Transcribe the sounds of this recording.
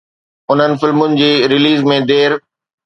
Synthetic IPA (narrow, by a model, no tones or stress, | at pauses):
ʊn̤ənɪ̆fɪlmʊnɪ̆d͡ʑeːɾɪliːzmẽd̪eːɾ